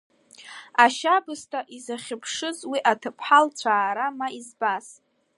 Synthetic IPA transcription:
aʃabɨstʰaʔizaχʲɪpʰʂɨzwiʔatʰɨpʰħalt͡sʷʰaːɾamaizbas

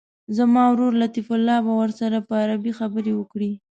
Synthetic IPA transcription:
zamɑwɾoɾlat̪ifʊlːɑbawəɾsaɾapəaɾabixabəɾewəkɽi

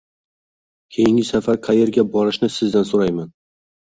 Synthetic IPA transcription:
kʲʰe̞jɪŋʲɪsafaɾqʰaje̞ɾɡʲabɒɾɪʃnɪsɪzd̪ansoɾajman

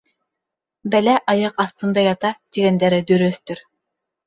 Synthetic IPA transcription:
bælæʔɑjɤqɑθt̪ɤ̆nd̪ɑjɑt̪ɑt̪iɡænd̪æɾɘd̪ɵɾøθt̪ɵɾ

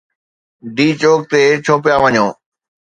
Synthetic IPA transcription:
ɖiːt͡ɕoːk̚t̪et͡ɕʰoːpjaʋəɲoː

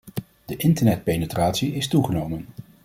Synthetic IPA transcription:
d̥əʔɪntəɹnɛt̚pejnətraːtsiɪstuχənowmən

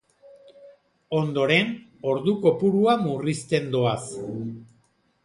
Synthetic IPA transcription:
o̞nd̪o̞ɾe̞n | o̞ɾðuko̞puɾuamurist̪e̞nd̪oas

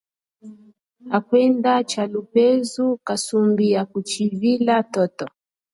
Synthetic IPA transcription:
akwɛndat͡ʃalupɛzukasumbiakut͡ʃivilatɔtɔ

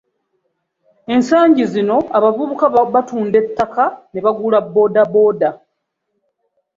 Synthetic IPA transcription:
e̞nsaːɲɟizino̞aβavuβukaβatuːnde̞tːakane̞βaɡulabːo̞ːdabo̞ːda

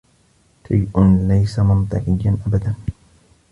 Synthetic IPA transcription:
ʃajʔʊnlajsamʊnt̪ˤɨqɪjːanʔabad̪an

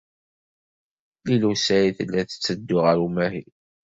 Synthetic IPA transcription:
lilusæiθəlːæθə̥t͡sːəd̪ːʊʁəɾumæɦi

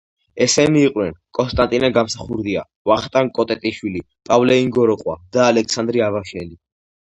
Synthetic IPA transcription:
ɛsɛniːqʼwnɛnkʼɔnst̪ʼant̪ʼinaɡamsaχuɾd̪ia | vaχt̪ʼankʼɔt̪ʼɛt̪ʼiʃwili | pʼavlɛiŋɡɔɾɔqʼwad̪aːlɛkʰsand̪ɾiavaʃɛli

